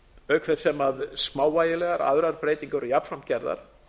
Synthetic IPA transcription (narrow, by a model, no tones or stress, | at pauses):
œːɥkʰfɛð̥sɛmaðsmaːwvaːjɪlɛɣaɾʔa̰ðɾaɾ̥pɾeːjt̪iŋkʏɾijap̪fɾamcɛɾða̰ɾ̥